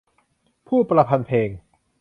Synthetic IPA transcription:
pʰuː˥˩pɾa˧pʰa˧npʰeː˧ŋ

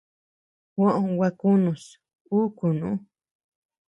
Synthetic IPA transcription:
hã˦˨ʔõ˧wa˧ku˦nũ˨s | u˦ku˨nṵ̃˦

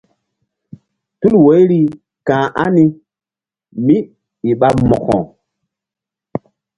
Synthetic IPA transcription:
tu˦lwo˨˦jɾi˦ | kãː˨ʔa̰˦ni˦ | mi˦ | i˨ɓa˦pmɔ˨kɔ̰̃˨

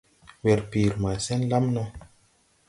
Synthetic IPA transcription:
wɛ˨ɾpi˨ɾma˨sɛ˦nla˦mna˦

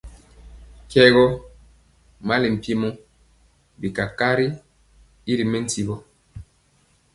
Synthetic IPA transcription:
kɛ˦ɣɔ˦ | ma˦li˨m̩˨pi˦mɔ˦ | bi˨ka˨ka˦ɾi˦ | i˦ɾi˨mɛ˦n̩˦ti˨bɔ˦

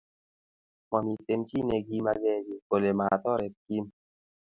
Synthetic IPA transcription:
mɔ˨mi˨te˧mt͡ʃi˦ne˧ɡi˧ma˧ɡɛ˦˨d͡ʒi˨ko˨le˨ma˨t̪ɔ˦ɾɛ˨ki˦m

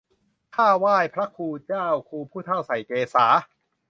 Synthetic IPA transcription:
kʰaː˥˩waː˥˩jpʰɾa˦˥kʰuː˧t͡ɕaː˥˩wkʰuː˧pʰuː˥˩t̪ʰa˥˩wsa˨˩jkeː˧saː˩˦

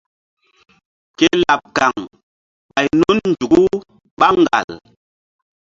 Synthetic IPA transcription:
ke˦la˨p̚ka˨ŋ | ɓa˨jnu˦nnd͡ʒu˨ɡu˦ | ɓa˦ŋɡa̰˨l

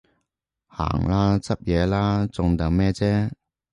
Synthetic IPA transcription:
ha̰ː˨˩ŋlaː˥t͡sɐ˥p̚jɛː˨˧laː˥t͡sʊ˧ŋt̪ɐ˨ŋmɛː˥t͡sɛː˥

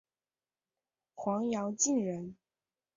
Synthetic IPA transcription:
xwɑ˧˥ŋjɑ˧˥ʊt͡ɕi˥˩nɻə˧˥n

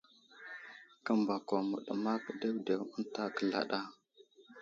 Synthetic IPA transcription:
kə˦mba˨ko˨mə̰˨ɗə˨ma˦kə˨de˦wde˨wə˦nta˦kə˨la̰˨ɗa˦

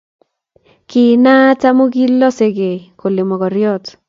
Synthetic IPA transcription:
kɪ˨na˦ta˦mo˦ɡi˦lɔ˦se˨ɡe˨kʰo˨lɪ˨mɔ˨kɔ˨ɾjɔ˦t

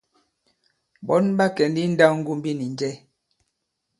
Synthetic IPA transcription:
bɔ˨˦nba˦kɛ˨ndi˦n̩˦da˦ŋ̩˦ɡu˦m˦bi˦ni˨nd͡ʒɛ˦

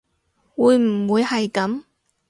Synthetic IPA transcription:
wuː˨˧˥jm̩˨˩wuː˨˧jhɐ˨jkɐ˨˥m

